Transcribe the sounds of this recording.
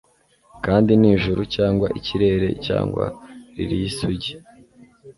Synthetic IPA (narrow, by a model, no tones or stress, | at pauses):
kaːndiniːʒuɾucaːŋɡwaʔiciɾe̞ɾe̞̰ca̰ːŋɡwa̰ɾḭɾijisuɟi̥